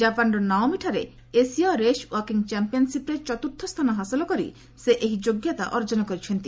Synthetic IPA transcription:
d͡ʒapanɾɔnaomiʈʰaɾe | esiɔɾeʃwɔɾkiŋt͡ʃɛmpiɔnsipɾet͡ʃɔt̪uɾt̪ʰːɔst̪ʰanɔɦasilɔkɔɾḭ | seʔeɦid͡ʒoɡjat̪a̰ʔɔɾd͡ʒɔnɔkɔɾit͡ʃʰɔnt̪i

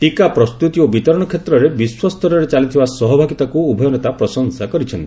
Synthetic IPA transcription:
ʈikapɾɔst̪ut̪iobit̪ɔɾɔɽ̃ɔkʰjet̪ɾɔɾebiswɔst̪ʰɔɾɔɾet͡ʃalit̪ʰibasɔɦɔbʱaɡit̪akuubʱɔjɔnɔt̪apɾɔsɔŋsakɔɾit͡ʃʰɔnt̪ii

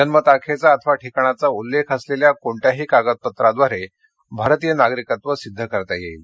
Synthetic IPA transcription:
d͡ʒənmət̪akʰet͡saːt̪ʰəʋaʈʰikɳ̃at͡saulːekʰəsleljakoɳʈjaɦiːkaɡət̪̚pət̪ɾad̪ʋaɾe | bʱaɾt̪ijənaɡɾikat̪ʋəsid̪ʱːəkəɾt̪ajeil

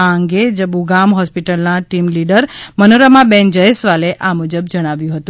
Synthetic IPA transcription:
aəŋɡed͡ʒəbuɡamɦɔspiʈəlnaʈimliɖəɾmənoɾamãbɛ̃nd͡ʒəjesʋaleʔamud͡ʒəbd͡ʒəɽ̃aʋjũɦət̪ũ

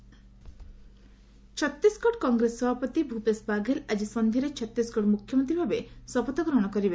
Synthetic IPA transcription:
t͡ʃʰɔt̪ːiskɔʈkɔŋɡɾesːɔbʱapɔt̪ibʱupesbaɡʱelad͡ʒisɔnd̪ʱiɾet͡ʃʰɔt̪ːiskɔʈmukʰjɔmɔnt̪ɾibʱabesɔpɔt̪ɔɡɾɔɦɽ̃ɔkɔɾibe

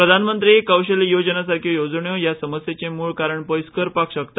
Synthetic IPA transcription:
pɾəd̪ʱanmənt̪ɾiekəwɕəlijod͡ʑənasaɾkʰjojod͡zɳjõjasəməsjet͡semuːɭkaɾəɳpəjskəɾpakɕəkt̪a

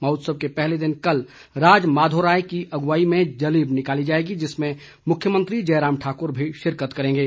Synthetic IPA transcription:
mɐːʊt̪səb̚kepɛɦled̪ɪnkɐl | ɾaːd͡ʒmaːd̪ʱoɾaːjkiʔɐɡʋaːimẽd͡ʒɐliːbnɪkaːlid͡ʒaːeːɡid͡ʒɪsmẽ | mʊkʰjəmə̃nt̪ɾid͡ʒɐːɾaːmʈʰaːkʊɾbʱiʃɪɾkət̪kɐɾẽːɡeː

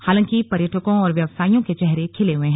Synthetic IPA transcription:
haːlə̃ŋkipɐɾjəʈʰəkõɔːɾʋjɐʋsaːijõket͡ʃɛɦɾekʰɪleɦʊẽɦɛ̃

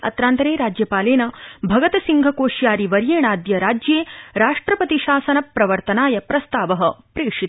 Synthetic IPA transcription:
ɐ̰t̪ɾaːnt̪ɐɾeːɾaːd͡ʒjɐpaːleːnɐbʱɐɡɐt̪ɐsiŋɡʱɐkoːʃjaːɾiʋɐɾjeːɳaːd̪jɐɾaːd͡ʒjeːɾaːʂʈɾɐpɐt̪iʃaːsɐnɐpɾɐʋɐɾt̪ɐnaːjɐpɾɐst̪aːʋɐɦɐpɾeːkʂi

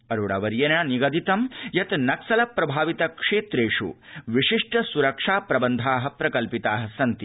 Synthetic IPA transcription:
ɐɾuɽɐ̰ʋɐɾjɐnaniɡɐd̪it̪ɐmjɐt̪nɐksɐlɐpɾɐbʱaːʋit̪ɐkʂeːt̪ɾeːʂṵʋiʂiʂʈɐsuɾɐkʂaːpɾɐbɐnd̪ʱaːɦɐ̆pɾɐkɐlpit̪aːɦɐ̆sɐnt̪i

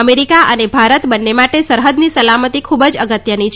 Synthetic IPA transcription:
əmeɾikaʔənebʱaɾət̪bənːemaʈesəɾɦəd̪nisəlamət̪ikʰubəd͡ʒəɡət̪jənit͡ʃʰ

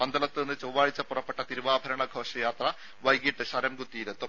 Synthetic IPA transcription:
pɐnd̪ʱɐlɐt̪ːenːɨt͡ɕowʋaːɻit͡ɕːɐpːurɐpːe̞ʈːɐt̪iɾuʋaːbʱɐɾɐɳɐɡʱo̞ːʂɐjaːt̪rɐ | ʋɐjɡiʈːɨɕɐɾɐmɡut̪ːiːɾɐt̪ːu

